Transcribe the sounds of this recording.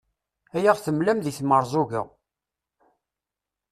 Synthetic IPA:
æjaʁθəmlæmðiθməɾˤzˤʊʝə̰

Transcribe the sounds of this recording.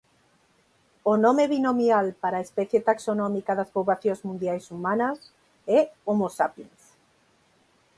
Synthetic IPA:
onõmeβinomialpaɾaːespɛθjet̪aksonɔmikaðaspoβlaθjõzmũnd̪jajsumanɐs | ɛomosapinθ

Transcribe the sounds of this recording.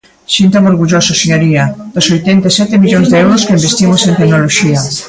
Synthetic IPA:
sint̪oŋoɾɣuʎososeɲoɾiɐd̪osojt̪ɛnt̪asɛt̪ɪmiʎoŋzðeɛwɾʊskeimbest̪imosent̪eknoloʃiɐ

